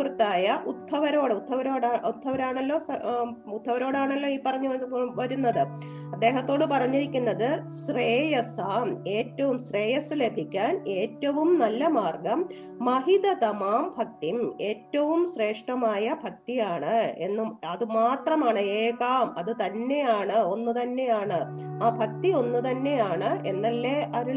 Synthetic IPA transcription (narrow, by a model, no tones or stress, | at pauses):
urut̪ːaːjɐʔut̪ʰːɐʋɐɾo̞ːɽɨut̪ʰːɐʋɐɾo̞ːɽaːʔut̪ʰːɐʋɐɾaːɳɐlːo̞ːsɐut̪ʰːɐʋɐɾo̞ːɽaːɳɐlːo̞ːiːpɐrɐɲːuʋɐʋɐɾunːɐðɨ | ɐd̪ːe̞ːɦɐt̪ːo̞ːɽɨpɐrɐɲːiɾikʲːunːɐðɨɕreːjɐsaːme̞ːtːɐʋumɕre̞ːjɐsɨle̞bʱikʲːaːne̞ːtːɐʋumnɐlːɐmaːrɡɐmː | ɐɦid̪ɐt̪ɐmaːmbʱɐk̚t̪ime̞ːtːɐʋumɕre̞ːʂʈɐmaːjɐbʱɐk̚t̪ijaːɳɨe̞̰nːuɐðɨmaːt̪rɐmaːɳɨeːkaːmɐðɨt̪ɐnːe̞jaːɳɨo̞nːut̪ɐnːe̞jaːɳɨ | aːbʱɐk̚t̪io̞nːut̪ɐnːe̞jaːɳɨʔe̞nːɐlːe̞ʔɐɾu